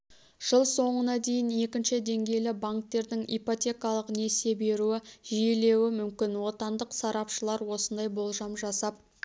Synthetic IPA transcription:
ʒ̥əlˠso̞ɴənɑd̪e̞jɪne̞kʲɪnʃɪd̪e̞ŋɡʲe̞jlɪbaŋkt̪e̞ɾd̪ɪŋijpot̪ʲe̞kɑlˠəqne̞se̞be̞ɾuɪʒije̞le̞wɪmʏmkʲɪnwo̞t̪ɑnd̪əqsɑɾɑpʃəlˠɑɾwo̞sənd̪ɑjbo̞lˠʒɑmʒɑsɑp̚

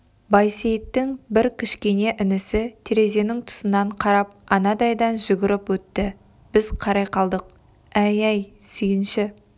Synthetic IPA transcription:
bɑjsejt̪ːɪŋbɪɾkʲʰɪʃkʲe̞ne̞ʔɪnɪsɪt̪ʰeɾe̞ze̞nɪŋt̪ʰʊ̥sənːɑɴqʰɑɾɑp̚ɑnɑd̪ɑjd̪ɑnʒʏɡʲɪɾɪpwɵt̪ːɪ | b̥ɪz̥qʰɑɾɑjqɑlˠd̪əq̚ | æjæjsʏjɪnʃɪ

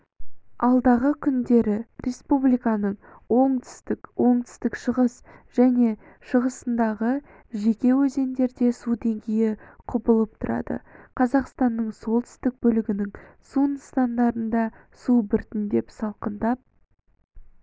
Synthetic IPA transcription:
ɑlˠd̪ɑʁəkʲʰʏnd̪e̞ɾɪɾʔe̞spublijkɑnəɴ | wo̞ɴt̪ʰʏ̥st̪ɪkwʔo̞ɴt̪ʰʏ̥st̪ɪkʃəʁəsʒ̥æne̞ | ʃəʁəsənd̪ɑʁə | ʒe̞kʲe̞wɵze̞nd̪e̞ɾd̪e̞sud̪e̞ŋɡʲe̞jɪqʰʊpəlˠəp̚t̪ʰʊɾʔɑ̰d̪ə̰qʰɑzɑqst̪ɑnːəɴso̞lˠt̪ʰʏ̥st̪ɪk̚bɵlɪɡʲɪnɪŋsunst̪ɑnd̪ɑɾənd̪ɑ | subɪɾt̪ɪnd̪e̞psɑlˠqənd̪ɑp̚

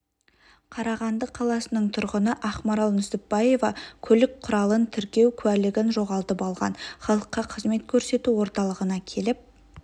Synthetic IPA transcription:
qʰɑɾɑʁɑnd̪əqʰɑlˠɑsənəɴt̪ʰʊɾʁənəʔɑχmɑɾɑlˠnʏsɪp̚bɑje̞vɑkʲʰɵlɪk̚qʰʊɾɑlˠənt̪ʰɪɾkʲe̞wkʲʰʉælɪɡʲɪnʒo̞ʁɑlˠt̪əpɑlˠʁɑ̰nχɑlˠəqːɑqʰəzme̞t̪̚kʲʰɵɾse̞t̪uwo̞ɾt̪ɑlˠəʁənɑkʲʰe̞lɪp̚

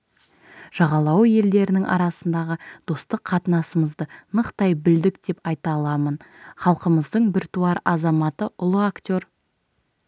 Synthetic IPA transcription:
ʒ̥ɑʁɑlˠɑwje̞ld̪e̞ɾɪnɪŋʔɑ̰ɾɑsənd̪ɑʁəd̪̥o̞st̪əqʰːɑt̪ənɑsəməzd̪ənəqt̪ɑjbɪld̪ɪkd̪̥e̞pɑjt̪ɑlˠɑmənχɑlˠqəməzd̪əɴbɪɾt̪uɑɾɑzɑmɑt̪əʔʊlˠəakt̪ʲo̞ɾ

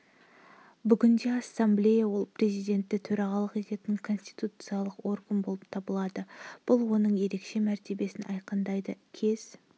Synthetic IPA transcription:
bʏɡʲɪnd̪e̞asːamblʲe̞jawo̞lˠpʰre̞zijd̪e̞nt̪ːɪt̪ʰɵɾɑʁɑlˠəqe̞t̪e̞t̪ɪŋkʰo̞nsʲt̪ijt̪ut̪sɨjalˠəqo̞rɡənbo̞lˠəpt̪ʰɑbəlˠɑd̪əb̥ʊlˠwo̞nəɴje̞ɾe̞kʃe̞mæɾt̪e̞be̞sɪnɑ̰jqənd̪ɑjd̪əkʲʰe̞z̥

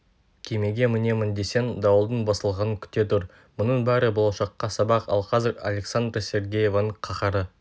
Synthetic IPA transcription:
kʲʰeme̞ɡʲe̞mɪne̞mɪnd̪e̞se̞nd̪ɑwəlˠd̪əɴbɑsəlˠʁɑnəŋkʲʰʏ̥t̪e̞t̪ʊɾ | mʊnəɴbæɾɪbo̞lˠɑʃɑqːɑsɑbɑqɑ̰lˠqʰɑzɪɾa̰lʲe̞ksand̪rasʲe̞ɾɡʲeje̞vanəɴqʰɑχɑɾə

